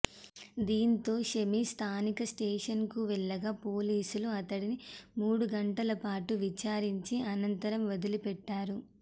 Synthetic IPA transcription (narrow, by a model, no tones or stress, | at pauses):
d̪iːnt̪o̞ːʃemist̪ʰaːnikɐsʈeːʂɐnkuʋɛɭːɐɡaːpo̞ːliːsuluɐt̪ɐɽinimuːɽuɡɐɳʈɐlɐpaːʈuʋit͡ʃaːɾiɲt͡ʃiɐnɐnt̪ɐɾɐmʋɐd̪ulipɛʈːaːɾu